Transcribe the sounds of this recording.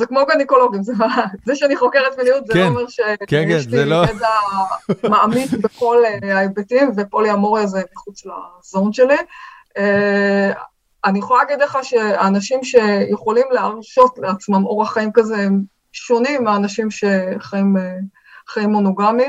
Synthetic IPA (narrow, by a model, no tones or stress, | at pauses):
zekmobeniko̞lo̞ɡimzemazeʃeaniχo̞keʁet̪minijut̪zemeʁʃekjɛʃieda | maʔamitbeko̞leajbetimvepoliamoʁezemiχut͡sla̰zo̞nʃe̞li | anijeχolalːaɡid̪leχaʃeaːnaʃimʃe̞jeχo̞limleaʁʃo̞tleat͡smamo̞ʁaχaimkazem | ʃo̞nimːeanaʃimʃeχaime | χajimːo̞noɡami